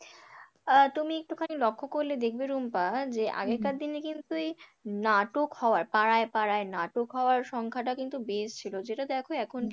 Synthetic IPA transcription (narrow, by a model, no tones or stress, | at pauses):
t̪umiek̚ʈukʰanelɔkʰːokoɾled̪ekʰbeɾumpad͡ʑeʔa̰ɡeɾkaɾd̪inekint̪uenaʈokhɔoaɾpaɾaepaɾaenaʈokɦɔoaɾʃɔŋkʰaʈakint̪ubeʃt͡ɕʰilod͡ʑeʈad̪ɛkʰoɛkʰon